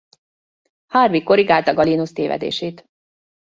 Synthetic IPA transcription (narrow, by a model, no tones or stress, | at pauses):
hɒrvikːo̞ɾiɡaːlt̪ɒɡɒlinust̪eːvɛ̰d̪ḛːʃeːt̪